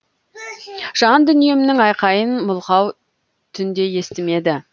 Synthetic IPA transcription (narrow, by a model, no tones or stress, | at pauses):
ʒ̥ɑnd̪ʏnije̞mɪnɪŋɑjqɑjənmʊlˠqɑw | t̪ʰʏnd̪e̞je̞st̪ɪme̞d̪ɪ